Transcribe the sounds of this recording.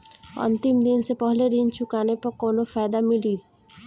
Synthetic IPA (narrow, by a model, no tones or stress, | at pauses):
ɐ̰nt̪ɪmd̪ɪnsepəɦleɾint͡ʃʊkaːnepɐɾkoːnofaːjd̪amɪliː